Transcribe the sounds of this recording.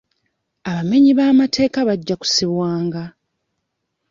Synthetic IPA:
aβame̞ɲiβaːmatʰe̞ːkaβaɟːaku̥siβwaːŋɡa

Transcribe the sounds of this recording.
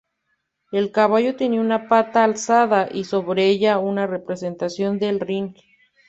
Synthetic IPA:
elkaβaʝot̪jeniunapat̪aːlsaðaʔisoβɾeeʝaunarepɾesent̪asjond̪elriŋk

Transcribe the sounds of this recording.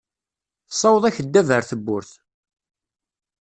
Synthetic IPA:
θəsˤːɑwəðˤæçəd̪ːævəɾθəbːʊɾθ

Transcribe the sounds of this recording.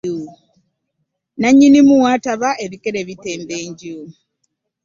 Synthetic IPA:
u | naɲːinimuwaːtaβaʔe̞βikeɾe̞βite̞ːmbeːɲɟu

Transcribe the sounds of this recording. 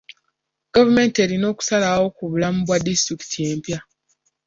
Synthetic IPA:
ɡ̥avume̞ːnte̞ɾino̞ːku̥salawo̞kuβulamuβwadistɾiki̥tʰije̞ːmpja

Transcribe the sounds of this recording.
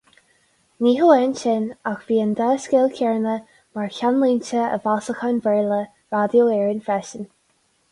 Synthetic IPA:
niːɦəɛnʃɪnaxviːənd̪aːskɛlˠkʰɛɹnə | maɹkʰʲanliːnt͡ʃəə̰vasəxanvɛɹlə | vadjoɛːɹənfɹɛʃən

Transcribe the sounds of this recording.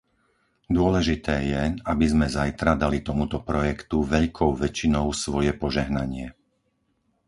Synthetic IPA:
d̪ʊɔlɛʒit̪ɛːjɛabizmɛzajt̪ɾad̪alit̪ɔmut̪ɔpɾɔjɛkt̪uʋɛʎkʰɔʊʋɛt͡ʃinɔʊsʋɔjɛpɔʒɛɦnaɲɪɛ

